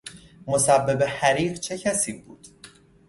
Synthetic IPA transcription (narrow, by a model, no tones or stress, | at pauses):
mo̞sæbːe̞behæɾiːɢt͡ʃʰe̞cʰæsiːbuːd̪̥